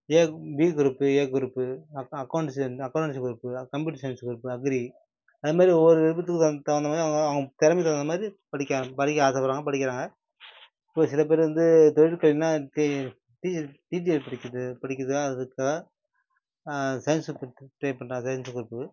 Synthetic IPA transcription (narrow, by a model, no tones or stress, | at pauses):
eːʋiːɡʊɾɯpːɯeːɡʊɾɯpːɯɐkːɐʊɳʈsɐkːɐʊɳɳsɡɾɯpːɯkɐmpjuːʈsɐɪnsɡʊɾɯpːɯɐɡɾi | ɐðɯmaːd̪ɾiɔʋːɔɾɯɛðɯbɐt̪ːɯkːɯɐt̪ɐɐnd̪ɐmaːd̪ɾiɐʋɐɡɐɐʋɐŋɡɐt̪ɛɾɐmɛɪt̪ɐʋɐnd̪ɐmaːd̪ɾipɐɽɪkʲːaːpɐɽɪkʲːɐaːsɐpɐɾaːŋɡɐpɐɽɪkʲːɪɾaːŋɡɐ | ɪpːoːsɪlɐp̬eːɾʋɐnd̪ɯt̪ɔɻɪʈkɐɭɪnːaːʈ | ʈiʈiːd͡ʒiɐlpɐɽɪkʲːɐðɯpɐɽɪkʲːɐðɯkːaːɐðɯkːaɐ | sɐjnspːʈɾeːpɐɳɾaːɡɐsɐjnsɡʊɾɯpːɯ